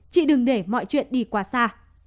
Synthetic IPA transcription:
t͡ɕḭ˧˨ɗɨ˨˩ŋɗe˧˩mɔ̰˧˨jt͡ɕwḭ˧˨ənɗi˧˩kwaː˨˦saː˧

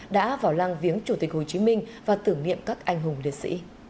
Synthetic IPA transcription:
ɗa̰ː˧˥vaː˧˩wla˧ŋvi˨˦ənt͡ɕu˧˩t̪i˨˩k̚ho˨˩jt͡ɕi˨˦mï˧ŋ̟ | vaː˨˩t̪ɨ˧˩əŋnḭ˧˨əmkaː˦˥k̚ʔa˧jŋ̟ɦʊ˨˩ŋ͡mlḭ˨˩ət̚sḭ˧˥

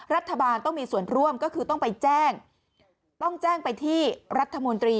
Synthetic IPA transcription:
ɾa˦˥t̪ʰːa˧baː˧nt̪ɔ˥˩ŋmiː˧su˨˩ənɾu˥˩əmkɔː˥˩kʰɯː˧t̪ɔ˥˩ŋpa˧jt͡ɕɛː˥˩ŋ | t̪ɔ˥˩ŋt͡ɕɛː˥˩ŋpa˧jt̪ʰiː˥˩ɾa˦˥t̪ʰːa˧mo˧nt̪ɾiː˧

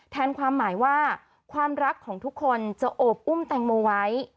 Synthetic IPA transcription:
t̪ʰɛː˧nkʰwaː˧mːaː˩˦jwaː˥˩ | kʰwaː˧mɾa˦˥kʰːɔː˩˦ŋt̪ʰu˦˥kʰːo˧nt͡ɕa˨˩ʔoː˨˩p̚ʔu˥˩mt̪ɛ˨˩ŋmoː˧wa˦˥j

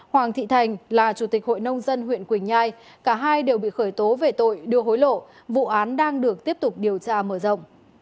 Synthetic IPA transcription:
hwaː˨˩ŋt̪ʰḭ˧˨t̪ʰa˨˩jŋ̟laː˨˩t͡ɕu˧˩t̪i˨˩k̚ho̰˧˨jnə˧wŋ͡mzə˧nhwḭ˧˨ənkwï˨˩ŋ̟zaː˧j | kaː˧˩ɦaː˧jɗe˨˩wɓḭ˧˨xəː˧˩jt̪o˨˦ve˨˩t̪o̰˧˨jɗɨ˧əho˨˦jlo̰˧˨ | vṵ˧˨ʔaː˨˦nɗaː˧ŋɗɨ˨˩ək̚t̪i˦˥əp̚t̪ʊ˨˩k͡p̚ɗi˨˩əwt͡ɕaː˧məː˧˩zə̰˧˨wŋ͡m

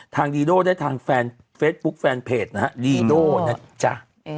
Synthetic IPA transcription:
t̪ʰaː˧ŋdiː˧doː˥˩daː˥˩jt̪ʰaː˧ŋfɛː˧n | feː˦˥t̪̚bu˦˥k̚fɛː˧npʰeː˨˩t̪̚na˦˥ha˦˥diː˧doː˥˩na˦˥t͡ɕa˦˩

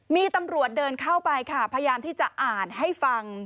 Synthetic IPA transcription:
miː˧t̪a˧mɾu˨˩ət̪̚dɤː˧nkʰa˥˩wpa˧jkʰa˥˩pʰa˧jaː˧mt̪ʰiː˥˩t͡ɕa˨˩ʔaː˨˩nɦa˥˩jfa˧ŋ

